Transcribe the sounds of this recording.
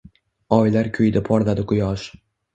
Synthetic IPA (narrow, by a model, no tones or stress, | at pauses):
ɒjlaɾkʲʰʊjd̪ɪpʰɒɾd̪ad̪ɪkʰʊjɒʃ